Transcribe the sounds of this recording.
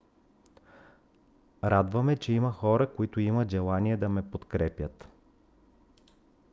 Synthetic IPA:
ɾad̪vəmɛt͡ʃɛiməxɔɾəkoit̪ʊimət̪ʒɛlˠaniɛd̪ɐmɛpot̪kɾɛpjət̪

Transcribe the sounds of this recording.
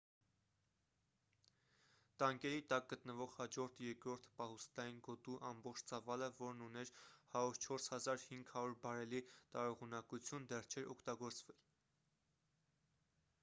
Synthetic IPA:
t̪ɑŋkɛɾit̪ɑk̚ɡət̪nəvɔʁhɑd͡ʒɔɾt̪ʰjɛɾkɾɔɾt̪ʰpɑhust̪ɑjinɡɔt̪uʔɑmbɔχt͡ʃʰt͡sɑvɑləvɔɾnunɛɾhɑɾuɾt͡ʃʰɔɾshɑzɑɾhiŋɡhɑɾuɾbɑɾɛlit̪ɑɾɔʁunɑkut͡sʰjund̪ɛrt͡ʃʰɛɾʔɔkʰt̪ɑɡɔɾt͡svɛl

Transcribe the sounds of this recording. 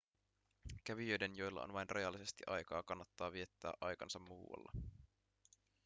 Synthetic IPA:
kæʋiøjde̞njo̞jlːɑ̰o̰nʋɑjnrʔɑ̰jɑlːise̞st̪iʔɑjkɑːkɑnːɑt̪ːɑːʋie̞t̪ːæ̰ːʔɑjkɑnsɑmːuːwɑ̰lːɑ̰

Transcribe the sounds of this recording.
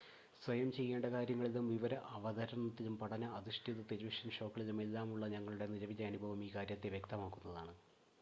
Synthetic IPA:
sʋɐjɐmt͡ɕe̞jːe̞ːɳɖɐkaːɾjɐŋːɐɭilumʋiʋɐɾɐʔɐʋɐðɐɾɐɳɐt̪ːilumpɐɽɐnɐɐðiʂʈʰiðɐt̪iɾiʋiʂɐnɕo̞ːkːɐɭilume̞lːaːmuɭːɐɲɐŋːɐɭuɽe̞nilɐʋiːɐɐnubʱɐʋumiːkaːɾjɐt̪ːe̞ʋje̞kt̪ɐmaːkːunːɐðaːɳɨ

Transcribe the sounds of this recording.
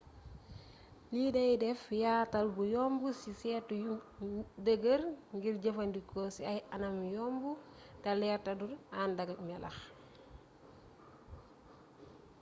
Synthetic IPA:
liːdɐjdɛfjaːtɐlbujoːmbusisɛːtuj | dəɡəɾŋɡiɾɟɐfandikoːsiajanɐmjombu | tɐlɛːtɐduɾaːndaɡɐt̚mɛlʔɐ̰x

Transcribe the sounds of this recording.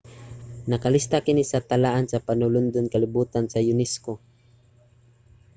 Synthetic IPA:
nɐkalist̪akɪnisat̪alaʔansapanʊlʊnd̪ʊnkalɪbuːt̪ansajʊnɛsko

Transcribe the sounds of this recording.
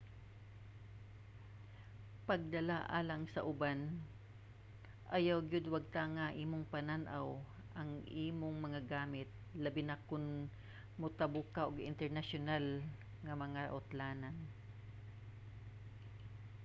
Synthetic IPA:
pɐɡ̚d̪ɐlaʔa̰ːlɐŋsɐʔʊban | ʔɐjawɡɪd̪wɐɡ̚t̪aŋaʔiːmoŋpɐnanʔaw | ʔɐŋʔiːmoŋmɐŋaɡaːmɪt̪̚lɐbɪnakʊn | mʊt̪ɐbʊkaʔoɡɪ̰nt̪ɛɹnaʃʊnal | ŋɐmɐŋaʔʊt̪laːnan

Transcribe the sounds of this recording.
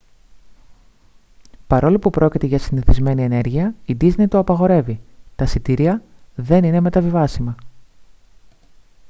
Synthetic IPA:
pɐɾo̞lopupɾo̞cit̪e̞ʝɐsiniθizme̞nie̞ne̞ɾʝiɐid̪izne̞jt̪oɐpɐɣo̞ɾe̞vit̪ɐsit̪iɾiɐðe̞nine̞me̞t̪ɐvivɐsimɐ

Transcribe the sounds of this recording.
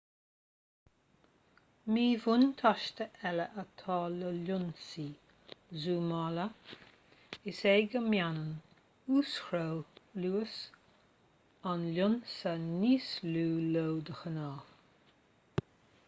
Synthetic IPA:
miːvʊnt̪ʰɔʃt̪əʔɛləʔət̪ʰɑːləlʊnsiː | zuːmɑːlə | ɪseːɡəmjanən | uːsxɾowluːəs | anlʲʊnsəniːsluːlowd̪əxənɑː

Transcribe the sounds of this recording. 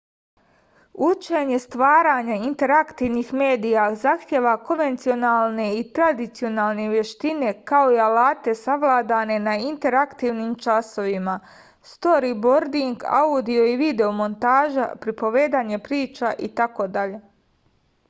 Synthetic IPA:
ut͡ʃe̞ɲe̞st̪ʋaːɾaɲaint̪e̞ɾakt̪iʋnixme̞ːd̪ijazaxt̪je̞ʋako̞nʋe̞nt̪sio̞naːlˠne̞it̪ɾad̪it̪sio̞naːlˠne̞ʋje̞ʃt̪ine̞kao̞ialaːt̪e̞saʋlˠaːd̪ane̞naint̪e̞ɾakt̪iʋnimt͡ʃaso̞ʋima | st̪o̞ɾibo̞ɾd̪iŋɡa̰ud̪io̞iʋid̪e̞omo̞nt̪aːʒa̰pɾipo̞ʋe̞ːd̪aːɲe̞pɾiːt͡ʃaʔit̪ako̞d̪aʎe̞

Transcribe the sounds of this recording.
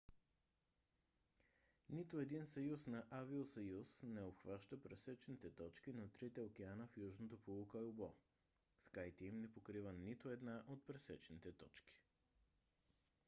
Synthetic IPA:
nit̪oɛd̪insɐjusnɐʔaviosɐjusnɛopxvaʃt̪əpɾɛsɛt͡ʃnit̪ɛt̪ɔt͡ʃkinɐt̪ɾit̪ɛokɛanəfjuʒnot̪opolˠokɐubɔ | skajt̪ɛimnɛpokɾivənit̪oɛd̪naʔot̪̚pɾɛsɛt͡ʃnit̪ɛt̪ɔt͡ʃki̥

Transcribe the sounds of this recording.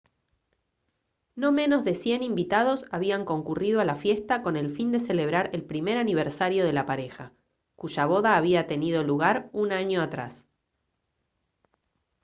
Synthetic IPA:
no̞mẽ̞no̞zðe̞sje̞nimbit̪að̞o̞saβ̞iaŋko̞ŋkuriðoalafje̞st̪ako̞ne̞lfind̪e̞se̞le̞β̞ɾaɾelpɾime̞ɾaniβ̞eɾsaɾjo̞ð̞e̞lapaɾe̞xa | kuʒaβ̞o̞ðaːβiat̪e̞nið̞o̞luɣaɾunaɲo̞at̪ɾa̰s

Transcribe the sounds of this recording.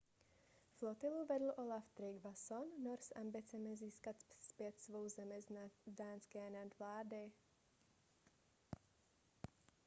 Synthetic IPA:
flot̪ɪluvɛdl̩ʔo̞laft̪ɾɪɡvasonːoɾsʔambɪt͡sɛmɪziːskat̪spjɛt̪svo̞wzɛmɪzdaːnskɛːnadvlaːdɪ

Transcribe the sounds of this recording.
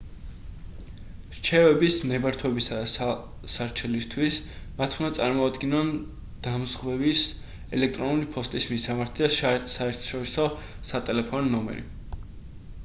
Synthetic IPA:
ɾt͡ʃʰɛvɛbisnɛbaɾt̪ʰwɛbisad̪as | saɾt͡ʃʰɛlist̪ʰwismat̪ʰund̪at̪sʼaɾmɔad̪ɡinɔn | d̪̥amzʁwɛbis | ɛlɛk̚ʰt̪ʼɾɔnulipʰɔst̪ʼismisamaɾt̪ʰid̪asaɛɾt̪ʰɔ̥ʃɔɾisɔ | sat̪ʼɛlɛpʰɔnːɔmɛ̰ɾḭ

